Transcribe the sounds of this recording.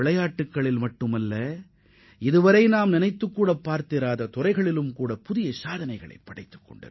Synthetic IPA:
ɪɭɐjaːʈːɯkːɐɭɪlmɐʈːɯmɐlːɐ | ɪðɯʋɐɾɐɪnaːmnɪnɐɪt̪ːɯkːuːɽɐpːaːɾt̪ɪɾaːðɐt̪ʊrɐɪɣɐɭɪlɯmkuːɽɐpʊðɪjɐsaːðɐnɐɪɣɐɭɐ̰ɪpːɐɽɐɪt̪ːɯ̥kːɔ̰ɳɖɐ̰ɾ

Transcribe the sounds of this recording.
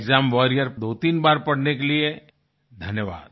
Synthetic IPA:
ɡzaːmʋɔːɾijəɾd̪oːt̪iːnbaːɾpɐɽ̤nekelie | d̪ʱɐnjəʋa̰ːd̪̚

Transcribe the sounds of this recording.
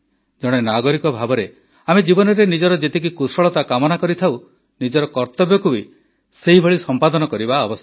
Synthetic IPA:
d͡ʒɔɽ̃enaɡɔɾikɔbʱabɔɾe | amed͡ʒibɔnɔɾenid͡ʒɔɾɔd͡ʒet̪ik̬ikusɔɭɔt̪akamɔnakɔɾit̪ʰaw | nid͡ʒɔɾɔkɔɾt̪ɔbjɔkubi | seɦibʱɔɭisɔmpad̪ɔnɔkɔɾibaɔbɔst̪

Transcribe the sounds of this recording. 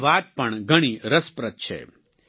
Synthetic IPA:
ʋaːt̪̚pɐɳɡɐɽ̃iɾɐspɾɐt̪̚t͡ʃʰḛ

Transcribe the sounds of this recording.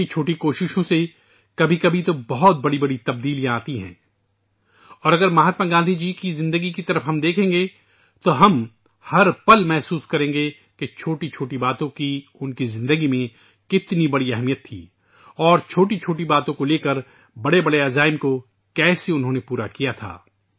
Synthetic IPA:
it͡ʃʰoːʈikoːʃɪʃõse | kɐbʱikɐbʱit̪obɔɦɔt̪̚bɐɽibɐɽit̪ɐb̚d̪iːlijãaːt̪iɦɛ̰̃ː | ɔːɾɐɡəɾmɐɦaːt̪maɡãːnd̪ʱid͡ʒiːkizɪ̃nd̪əɡikit̪ɐɾəfɦɐmd̪eːkʰẽːŋɡe | t̪oɦɐm | hɐɾpɐlmɛɦsuːskɐɾẽːŋɡe | ket͡ʃʰoːʈit͡ʃʰoːʈibaːt̪õkiʊnkizɪ̃nd̪əɡimẽ | kɪt̪nibɐɽiɛɦmijət̪ʰːḭː | ɔːɾt͡ʃʰoːʈit͡ʃʰoːʈibaːt̪õkoleːkɐɾ | bɐɽebɐɽeaːzaːɪmko | kɛːseʊnɦõːnepuːɾakijat̪ʰa̰ː

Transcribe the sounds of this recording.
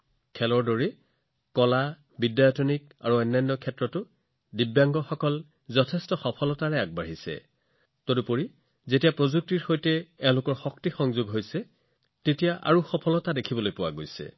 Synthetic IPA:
kʰɛlɔɹdɔɹi | kɔla | bidjajɔtʰɔnika̰ɹuɔjnːajnːɔkʰɛtɹɔtʊ | dibjaŋɡɔxɔkɔl | zɔtʰɛstɔxɔpʰɔlɔtaɹɛaɡ̚baɦisɛ̰ | todupoɹi | zetijapɹozuk̚tiɹxojtɛɛʊ̃lʊkɔɹxɔktixɔŋzuɡɦojsɛ | tetijaʔa̰ɹuxɔpʰɔlɔtadekʰibɔlojpʊwa̰ɡojsɛ̰

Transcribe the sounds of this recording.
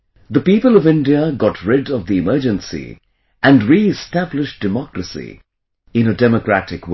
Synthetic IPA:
ðəpipəlˠʌvɪ̃ndiəɡɑtʰɹɪdʌvðiɨmɜ˞d͡ʒɨ̃nsḭ | ɨ̃ndɹiɪstæblɪʃd̥ɨmɔkɹəsḭ | ɪ̃nədɛməkɹætɪkw

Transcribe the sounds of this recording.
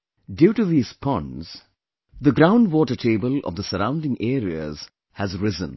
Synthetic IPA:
djuːʈuðiːz̥pʰɔ̃nz̥ | ðəɡɾãʊ̃ndwɔːʈəʈʰeːbəlɔ̰vd̪əsəɾãʊ̃ndɪ̃ŋʔeːɾiə̰z̥ | hæzɾɪzə̃n

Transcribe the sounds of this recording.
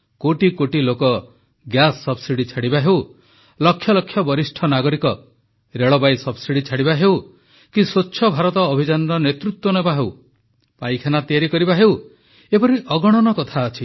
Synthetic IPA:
koʈikoʈilokɔ | ɡjasːɔbsiɽit͡ʃʰaɽibaɦeu | lɔkʰːjɔlɔkʰːjɔbɔɾisʈʰɔnaɡɔɾikɔ | ɾeɭɔbajsɔbsiɽit͡ʃʰaɽibaɦew | kisoːt͡ʃʰʃʰɔbʱaɾɔt̪ɔːbʱid͡ʒanɔɾɔnet̪ɾut̪wɔnebaɦew | pajkʰanat̪ijaɾikɔɾibaɦew | epɔɾiʔɔɡɔɽ̃ɔnɔkɔt̪ʰaɔt͡ʃʰi

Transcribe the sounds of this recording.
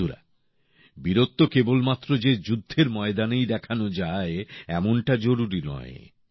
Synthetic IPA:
uɾa̰ | biɾot̪ːokebolmat̪ːɾod͡ʑed͡ʑud̪ʱːeɾmɔed̪anejd̪ɛkʰanod͡ʑaeɛmonʈad͡ʑoɾuɾinɔ̰ḛ

